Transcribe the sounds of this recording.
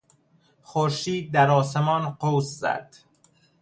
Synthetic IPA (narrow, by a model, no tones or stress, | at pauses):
xoɾʃiːd̪̚ːæɾɒːsemɒːnqowszæ̰d̪̥